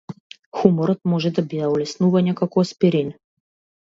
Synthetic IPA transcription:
xumɔɾɔt̪mɔʒɛd̪abid̪aɔlʲɛsnuvaɲʲɛkakɔspiɾinʲ

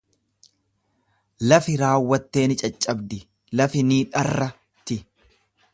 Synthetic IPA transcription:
lɐfɪɾaːwːɐt̪ːe̞ːnɪt͡ʃʼɐt͡ʃʼːɐbd̪ɪ | lɐfɪniːᶑɐrːɐ | t̪ɪ

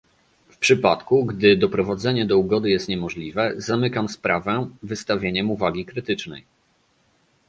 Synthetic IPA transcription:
fpʂɘpat̪kuɡd̪ɘd̪ɔpɾɔvad̪zɛɲɛd̪ɔuɡɔd̪ɘjɛst̪ɲɛmɔʐlʲivɛzamɘkamspɾavɛvɘst̪avʲjeɲɛmuvaɡʲikɾɘt̪ɘt͡ʂnɛ̰j

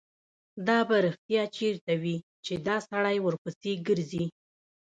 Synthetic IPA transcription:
d̪ɑbaɾəxt̪jɑt͡ʃeɾt̪awi | t͡ʃed̪ɑsaɽajwəɾpəseɡəɾzi

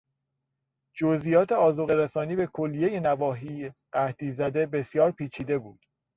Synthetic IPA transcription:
d͡ʒozʔijɒːt̪ʰe̞ɒːzoɣeɾæsɒːniːbe̞kʰolːije̞je̞nævɒːɦiːjɢæht̪iːzæd̪e̞be̞sjɒːɾpʰiːt͡ʃʰiːd̪e̞buːd̪̥

